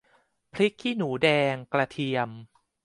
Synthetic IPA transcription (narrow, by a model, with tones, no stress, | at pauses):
pʰɾi˦˥k̚ʰːiː˥˩nuː˩˦dɛː˧ŋkla˧t̪ʰi˧əm